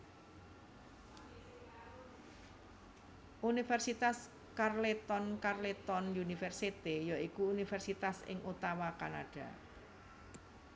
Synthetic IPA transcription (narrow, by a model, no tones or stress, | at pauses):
ʔunifɛrsit̪as | karlet̪ɔnkarlet̪ɔnjunifɛrsit̪ijɔikuːnifɛrsit̪asɪ̰ŋʔut̪awakanaɖ̥a̤̰